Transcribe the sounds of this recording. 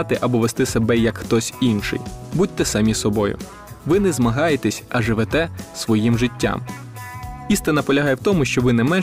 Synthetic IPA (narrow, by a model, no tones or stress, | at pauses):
t̪ɪʔɐbɔʋest̪ɪsebɛjɐkxt̪ɔsʲinʃɪ̰jbut̪̚ʲt̪ːɛsɐmʲisɔbɔjʊ̰ | ʋɪnɛzmɐɦɑjet̪ɛsʲɐʒɪʋɛt̪ɛsʋɔjimʒɪtʲːa̰m | ist̪ɪnɐpɔlʲɐɦɑjewt̪ɔmʊʃt͡ʃɔʋɪnɛmɛn